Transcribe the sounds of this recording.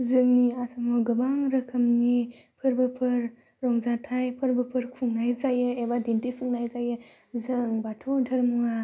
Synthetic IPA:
zɯŋniasʰamɔɡɯbaŋɾɯkʰɯmnipʰɯɾbɯpʰɯɾ | ɾɔŋzatʰajpʰɯɾbɯpʰɯɾkʰuŋnajzajɯebadentipʰɯŋnajzajɯ | zɯŋbatʰɔntʰɯɾmua

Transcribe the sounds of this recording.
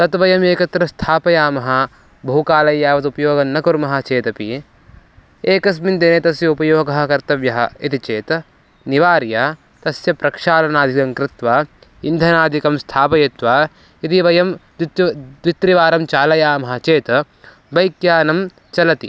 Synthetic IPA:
t̪ɐt̪ʋɐjɐmeːkɐt̪ɾɐst̪ʰaːpɐjaːmɐɦɐ̆ | bʱɐɦukaːlɐjːaːʋɐt̪upɐjoːɡɐnːɐkuɾmɐɦɐ̆t͡ʃeːt̪ɐpi | eːkɐs̬mind̪enet̪ɐsjɐupɐjoːɡɐɦɐkɐɾt̪ɐʋjɐɦɐ̰̆it̪it͡ʃeːt̪ɐ | niʋaːɾjɐ | t̪ɐsjɐpɾɐkʂaːlɐnaːd̪ʱikɐŋkɾɪt̪ʋaː | ind̪ʱɐnaːd̪ʱikɐmst̪ʰaːpɐjet̪ʋaː | it̪iʋɐjɐm | d̪ʋit̪ɾiʋaːɾɐmt͡ʃaːlɐjaːmɐɦɐ̆t͡ʃeːt̪ɐ | bɐjkjaːnɐm | t͡ʃɐlɐt̪ḭ

